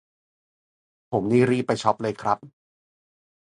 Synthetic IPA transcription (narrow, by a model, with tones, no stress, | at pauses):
pʰo˩˦mniː˧˥ɾiː˥˩pːa˧jt͡ɕʰɔ˦˥p̚lɤː˧jkʰɾa˦˥p̚